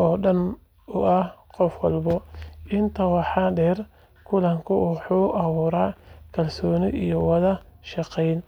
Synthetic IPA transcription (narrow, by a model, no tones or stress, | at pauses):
ʔɔːɗɐn | ʊʔɐhqɔfwɑlbɔɪnt̪ʰɐwɑħɑɖɛːr | kʰʊlɐŋkʰʊʊħuːʔɐβuːɾaːkʰɐlsɔːnɪʔijɔwɐðɐʃɑqɛjn